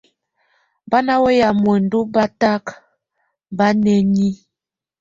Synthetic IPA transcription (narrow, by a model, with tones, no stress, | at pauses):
ba˦na˦we˦ja˨mwɛ˨n̩˨du˦ba˦ta˦k | ba˦nɛ˨ɲi˦